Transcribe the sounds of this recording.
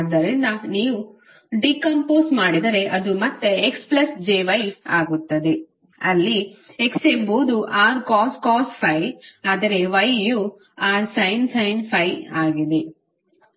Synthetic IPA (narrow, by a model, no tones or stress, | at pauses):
d̪ːɐɾind̪ɐniːʋu | ɖikɐmpoːsmaːɽid̪ɐɾe̞ʔɐd̪umɐt̪ːeeksplɐsd͡ʒeːʋɐjaːɡut̪ːɐd̪e | ɐlːieksembuːd̪uʔaːɾkaːskaːspʰɐjaːd̪ɐɾe̞ʋɐjju | aːɾsɐjnsɐjnpʰɐjaːɡid̪e